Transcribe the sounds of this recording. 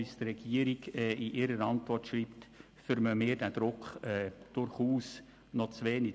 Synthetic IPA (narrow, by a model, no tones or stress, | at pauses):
ist̪rɛɡ̥iəɾiɡɛiʔɪɾəɾɑntvɔrtʃriːpt | fʏɾməmɪːd̥æd̥̪ɾʊkχɛːd̥ʊɾχuːs | nɔt͡sʋeːni